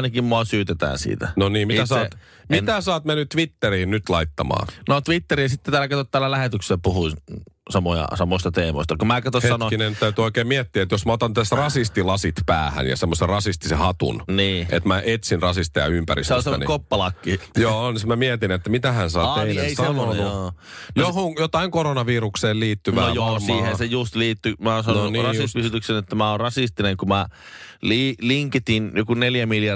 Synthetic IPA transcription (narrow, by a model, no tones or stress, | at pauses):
nɑkimmoɑsyːt̪et̪æ̰ːnsḭːt̪ænoniːmmit̪æsɑː | mit̪æsɑːt̪menːytt̪ʋit̪ːeɾiːnnyt̪lɑit̪ːɑmɑ̰ːnot̪ʋit̪ːeɾisit̪ːet̪æːlkɑt̪ot̪t̪ːæːlːælæhet̪ykselːpuhui | sɑmojɑ̰sɑmoist̪ɑt̪eːmo̰ist̪ɑkumæːkɑt̪oseɑnokinent̪æyt̪yoikeːmmiɛt̪ːiæet̪josmæot̪ɑnt̪æsrɑsist̪ilɑsit̪pæ̰ːhæ̰njɑ̰semːoserɑsist̪isehɑt̪ṵnniːʔḛt̪mæʔet̪sinrɑsist̪ejɑ̰ympæ̰rḭseonsemːnḭkopːɑlɑkːijoːnismæmiɛt̪inet̪ːæmit̪æhænsɑ̰ːeinesɑnoo | johoŋjot̪ɑiŋkoɾonɑʋiːrukseːlliːt̪ːyʋʋæojoːiːhensejust̪liːt̪ːymæonsɑnonirɑispysyt̪yksenet̪ːæmæorɑsist̪ineŋkumæliːliŋket̪injokuneljæmiljɑ